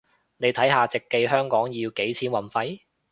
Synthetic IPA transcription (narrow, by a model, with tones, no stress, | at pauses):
ne˨˧jt̪ʰɐ˨˥jɦaː˨t͡sɪ˨kːe˧jɦœː˥ŋkɔː˨˥ŋjiː˧wke˨˥jt͡sʰiː˨˥nwɐ˨˩nfɐ˧j